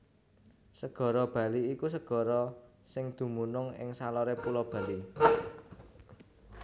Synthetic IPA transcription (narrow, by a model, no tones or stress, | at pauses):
səɡ̥ɔ̤ɾɔb̥ä̤liːkusəɡ̥ɔ̤ɾɔ | sɪŋd̪̥ṳmunʊŋɪ̰ŋsalɔɾepulɔb̥ä̤li